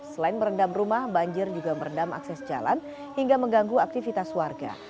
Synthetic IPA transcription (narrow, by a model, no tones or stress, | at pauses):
səlaɪnməɾəndamrumahbaɲd͡ʒɪrd͡ʒuɡaməɾəndama̰ksɛsd͡ʒa̰la̰n | hiŋɡaməŋɡaŋɡuak̚t̪ifit̪aswarɡa̰